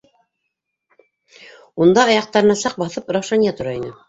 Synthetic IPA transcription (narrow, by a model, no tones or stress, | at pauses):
und̪ɑːjɑq̚t̪ɑɾɤ̆nɑsɑq̚bɑθɤpɾɑwʃɑnijɑt̪ŏɾɑinɘ